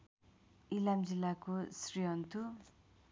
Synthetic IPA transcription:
ilamzilːakosɾijɔnt̪u

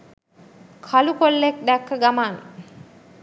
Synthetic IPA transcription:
kʰalukolːek̚ɖækːəɡamaːn

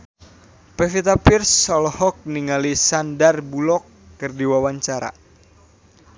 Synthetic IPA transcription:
pɛfit̪apirsɔlɔhɔk̚niŋalisandarbulɔkː | ɨrdiwawaɲt͡ʃaɾa̰

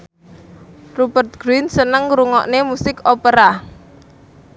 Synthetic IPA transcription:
rubərt̪̚ɡ̥ɾinsənəŋɾuŋɔ̰ʔnemusɪkopeɾa

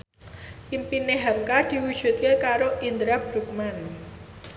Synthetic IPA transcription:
ʔimpineɦɛp̚kad̪̥i̤wud̥ʒ̥ṳt̪̚kekaɾoʔind̪ɾab̥ɾuk̚man

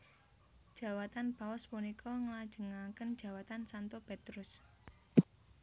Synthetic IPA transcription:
d̥ʒ̥ä̤wat̪anbawɔspunikʰɔŋəlad̥ʒ̥ə̤ŋakənd̥ʒ̥ä̤wat̪ansant̪ɔpet̪ɾʊs

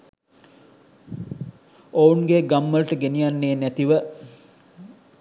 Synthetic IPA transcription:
ounɡeɡamːəlʈəɡenijanːeːnæt̪iʋə

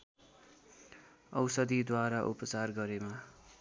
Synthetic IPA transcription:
ʌ̰wsʌd̪id̪waɾaʔupʌt͡sarɡʌɾema

